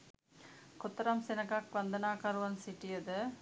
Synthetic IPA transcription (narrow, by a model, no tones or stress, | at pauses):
kɔt̪ːɐɾaːmsɛnɐkaːk̚ʋɐnd̪ɐnaːkaɾʋɐnsɪʈːɪjɐðɐ